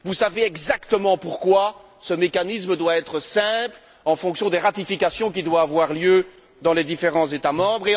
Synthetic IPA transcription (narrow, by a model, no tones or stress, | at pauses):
vusaveɛɡzakt̪əmɑ̃puʁkwa | səmekanis̬məd̪waɛt̪χəsɛ̃pl | ɑ̃fɔ̃ksjɔ̃d̪eʁat̪ifikasjɔ̃k̬ʲid̪waːvwaʁljø | d̪ɑ̃led̪ifeʁɑ̃zet̪amɑ̃bʁe